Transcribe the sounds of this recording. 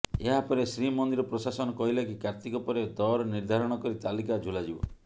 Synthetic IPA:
eɦapɔɾesɾimɔnd̪iɾɔpɾosasɔnɔkɔɦilakikaɾt̪ikɔpɔɾed̪ɔɾɔniɾd̪ʱaɾɔɽ̃ɔkɔɾit̪alikad͡ʒʱulad͡ʒibɔ̰

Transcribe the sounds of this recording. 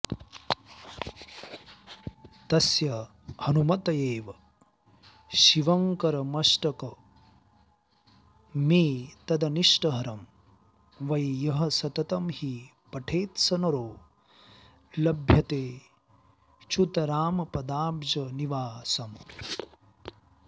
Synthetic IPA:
t̪ɐsjɐ | hɐnumɐt̪ɐjeːʋɐ | ʃiʋɐŋkɐɾɐmɐʂʈɐkɐ | miːt̪ɐd̪ɐniʂʈɐɦɐɾɐm | ʋɐjjɐɦɐsɐt̪ɐt̪ɐmhi | pɐʈʰeːt̪sɐnɐɾoː | lɐbʱjɐt̪eː | t͡ʃut̪ɐɾaːmɐpɐd̪aːbd͡ʒɐniʋaːsɐm

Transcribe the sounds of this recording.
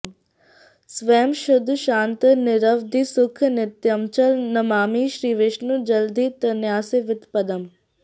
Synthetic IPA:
sʋeːmʃʊd̪ʱʃãːnt̪nɪɾəʋd̪iːsʊkʰnɪt̪jəmt͡ʃɐlnɐmaːmiːʃɾiːʋɪʃnud͡ʒɐld̪iːt̪ɐnjaːseʋɪt̪pɐd̪əm

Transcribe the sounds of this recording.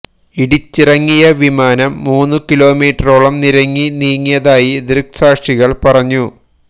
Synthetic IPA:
iɽit͡ɕːirɐŋːijɐʋimaːnɐmːuːnːukilo̞ːmiːʈːɐroːɭɐmniɾɐŋːiniːŋːijɐðaːjid̪ɾɨksaːkʂiɣɐɭpɐrɐɲːu

